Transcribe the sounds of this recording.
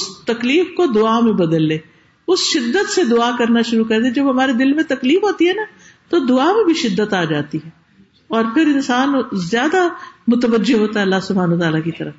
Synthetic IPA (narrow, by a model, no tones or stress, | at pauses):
ʊst̪ɐkliːfkod̪ʊaːmẽbəd̪əlːeː | ʊsʃɪd̪ːət̪sed̪ʊaːkəɾnaʃʊɾukɐɾd̪ed͡ʒɐbɦɐmaːɾed̪ɪlmẽt̪ɐkliːfɦoːt̪iɦɛːna | t̪od̪ʊaːmẽbʱiʃɪd̪ːət̪aːd͡ʒaːt̪iɦɛː | ɔːɾpʰɪɾɪnsaːnzjaːd̪amʊt̪əʋəd͡ʒːeɦoːt̪aɦɛɐlːaːsʊbʱaːnət̪aːlakit̪əɾə